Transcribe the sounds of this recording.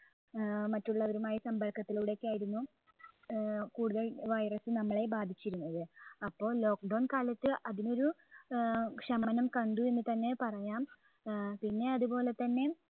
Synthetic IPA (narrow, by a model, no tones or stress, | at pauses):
mɐtːuɭːɐʋɐɾumaːjisɐmbɐrkːɐt̪ːiluɽekːaːjiɾunːu | kuːɽuðɐlʋɐjrɐsɨnɐmːɐɭe̞baːd̪ʱit͡ɕːiɾunːɐðɨɐpːo̞ːlo̞ːk̚ɖɐwnkaːlɐt̪ːɨʔɐðino̞ɾu | kʂɐmɐnɐmkɐɳɖuenːit̪ɐnːe̞pɐrɐjaːm | pinːe̞ɐðupo̞ːle̞t̪ːɐnːe̞